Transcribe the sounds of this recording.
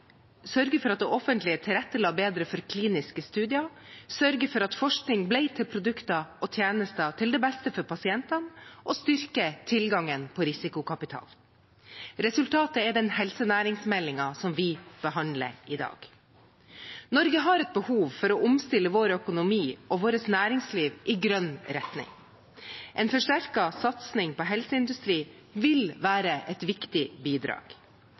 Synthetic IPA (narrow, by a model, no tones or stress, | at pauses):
sœɾɡəfɔɾɑt̪̚d̪ɛʔɔfənt̪lɪət̪ʰɪɾɛt̪ːəlɑːbeːd̪ɾəfɔɾkʰliːnɪskəst̪ʉːd̪ɪɑsœɾɡəfɔɾɑt̪fɔʂknɪŋblɛɪt̪ʰɪlpʰɾʊd̪ʉkt̪ɑɔt̪ʰjeːnəst̪ɑt̪ʰɪld̪ɛːbɛst̪əfɔɾpʰɑsɪɛnt̪ɑnʔɔst̪ʏɾkət̪ʰɪlɡɑŋənpʰɔɾɪsɪkʊkʰɑpɪt̪ʰɑ̰ːl | ɾɛsʉlt̪ʰɑːt̪əɛɖ̪ɛnhɛlsənæːɾɪŋsmɛlɪŋɑsɔmʋɪb̥əhɑnd̪lə̰ɾɪd̪ɑ̰ːɡ̥ | nɔɾɡəɦɑɾɛt̪̚bəhuːʋfɔɾɔʔʊmst̪ɪlːəʋoːɾœkʊnʊmiːʔɔʋoːɾəsnæːɾɪŋsliːʋʔɪɡɾœnɾɛt̪nɪ̰ŋ | ʔɛːnfɔʂʈæɾkɑsɑt̪snɪŋpʰɔɦɛlsəɪnd̪ʉst̪ɾiː | ʋɪlʋæːɾəʔɛt̪ʋɪkt̪ɪbiːd̪ɾɑ̰ːɡ̥